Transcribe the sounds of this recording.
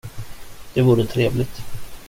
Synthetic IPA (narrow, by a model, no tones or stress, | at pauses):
d̪̥ɛvuːɾət̪ʰɾeːvlɪt̪